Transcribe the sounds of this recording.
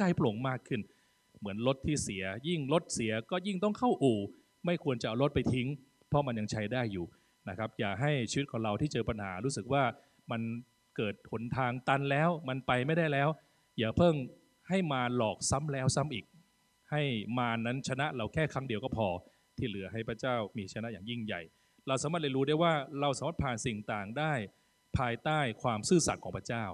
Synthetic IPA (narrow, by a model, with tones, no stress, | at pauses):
kaː˥˩jplo˨˩˦ŋmaː˥˩kʰːɯ˥˩n | mɯ˩˦ənlo˦˥t̪ʰːiː˥˩si˩˦ɐji˥˩ŋlo˦˥t̪̚si˩˦ɐkɔː˥˩ji˥˩ŋt̪ɔ˥˩ŋkʰa˥˩wʔuː˨˩ | ma˥˩jkʰu˧ənt͡ɕa˨ʔa˨wlo˦˥t̪̚pa˧jt̪ʰi˦˥ŋ | pʰɔ˦˥ma˧nja˧ŋt͡ɕʰa˦˥jdaː˥˩jːuː˨˩ | na˦˥kʰa˦˥p̚jaː˨˩ɦa˥˩jt͡ɕʰiː˧wi˦˥t̪̚kʰɔː˩˦ŋɾa˧wt̪ʰiː˥˩t͡ɕɤː˧pa˧nha̰ː˩˦ɾuː˦˥sɯ˨˩k̚waː˥˩ | ma˧n | kɤː˨˩t̪̚ho˩˦nt̪ʰaː˧ŋt̪a˧nlɛː˦˥wma˧npa˧jma˥˩jdaː˥˩jlɛː˦˥w | jaː˨˩pʰɤ˥˩ŋ | ha˥˩jmaː˧lɔː˨˩k̚sa˦˥mlɛː˦˥wsa˦˥mʔiː˨˩k̚ | ha˥˩jmaː˧nːa˦˥nt͡ɕʰa˧na˦˥ʔɾa˧wkʰɛː˥˩kʰɾa˦˥ŋdi˧əwkɔː˥˩pʰɔː˧ | t̪ʰiː˥˩lɯ˩˦ɐɦa˥˩jpʰɾa˦˥t͡ɕaː˥˩wmiː˧t͡ɕʰa˧na˦˥ʔjaː˨˩ŋji˥˩ŋja̰˨˩j | ɾa˧wsaː˨˦maː˧˥˩t̚la˧˩jɾuː˦˥da˥˩jwaː˥˩ɾa˧wsaː˨˩˦ma˥˩t̪̚pʰaː˨˩nsi˨˩ŋt̪aː˨˩ŋdaː˥˩j | pʰaː˧jt̪aː˥˩jkʰwaː˧msɯː˥˩sa˨˩t̪̚kʰɔː˩˦˥pʰɾa˥t͡ɕaː˥˩w